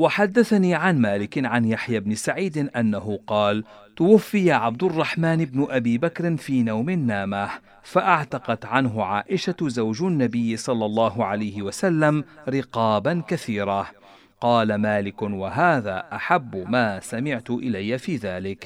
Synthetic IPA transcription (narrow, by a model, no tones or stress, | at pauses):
waħad̪ːaθaniːʕanmaːlɪkɪnʕanjaħjabnɪsaʕiːd̪ɪnʔanːaɦʊqɑːl | t̪ʊwafːɪjaʕab̚d̪ʊrˤːɑħmaːnɪbnʊʔabiːbakɾɪnfiːnawmɪnːaːmah | faʔaʕt̪ɑqɑt̪ʕanɦʊʕaːʔɪʃazawd͡ʒʊnːabɪjːɪsˤɑlːɑlˤːɑːɦʊʕalajhɪwasalːamɾɪqɑːbankaθiːɾˤa | qɑːlamaːlɪkʊnwaɦaːðaːʔaħabːʊmaːsamɪʕt̪ʊʔɪlajːafiːðaːlɪk